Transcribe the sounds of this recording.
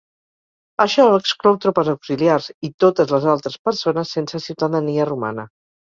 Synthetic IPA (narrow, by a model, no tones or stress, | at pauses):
əʃɔəksklɔwt̪ɾopəzawksiliarzit̪ot̪əzləzalˠt̪ɾəspəɾsonəsːensəsiwt̪əðəniəruma̰nə